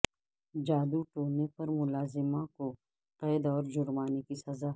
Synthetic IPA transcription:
d͡ʒaːd̪uʈoːnepɐɾmʊlaːzɪmãko | qɛːd̪ɔːɾd͡ʒʊɾmaːnekisɐzaː

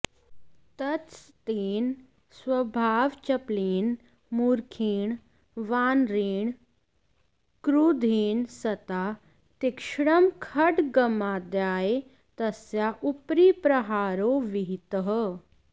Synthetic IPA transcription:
t̪ɐtt͡st̪eːn | sʋəbʱaːʋt͡ɕəpliːn | muːɾkʰiːɳ | ʋaːnɾeːɳ | kɾud̪ʱiːnsɐt̪a | t̪ikʂɽəmkʰəʈɡəmad̪jaːe | t̪əsjaʔupɾiːpɾəɦaːɾoːʋiɦit̪əɦ

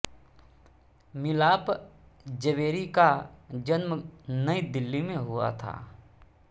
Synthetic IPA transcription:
mɪlaːp | d͡ʒəʋeːɾikad͡ʒənmnəid̪ɪlːimẽɦʊa̰t̪ʰa̰ː

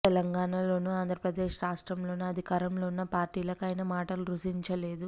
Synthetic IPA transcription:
ɛlɐŋɡaːɳalo̞ːnuaːnd̪ʱɾɐpɾɐd̪eːʃɾaːʂʈɾɐmlo̞ːnuɐd̪ʱikaːɾɐmlo̞ːunːɐpaːɾʈiːlɐkɐjnɐmaːʈɐluɾuʃiɲt͡ʃɐle̞ːd̪u

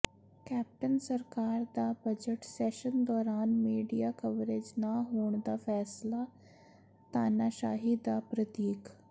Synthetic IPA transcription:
kɛːp̚ʈənsəɾkaːɾd̪aːbəd͡ʒəʈsɛːʃənd̪ɔːɾaːnmiːɖijaːkəʋɾed͡ʒnaːɦoːɳd̪aːfʰɛːslaː | t̪aːnaːʃaːɦiːd̪aːpɾət̪iːk

